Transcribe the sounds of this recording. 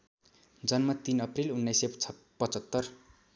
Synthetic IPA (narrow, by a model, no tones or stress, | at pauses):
d͡zʌnmʌt̪inʌprilunːʌjsʌ | pʌt͡sʌt̪ːʌr